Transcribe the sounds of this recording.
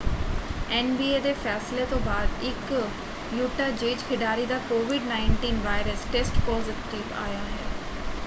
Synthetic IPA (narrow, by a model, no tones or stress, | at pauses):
ɛːnbiːeːd̪eːfʰɛːsleːt̪õːbaːd̪ɪk | juːʈaːd͡ʒeːd͡ʒkʰɪɖaːɾiːd̪aːkoːʋɪɖnaːɪɳʈiːnʋaːjɪɾəsʈesʈpɔːzɪʈiːʋa̰ːjaːɦɛː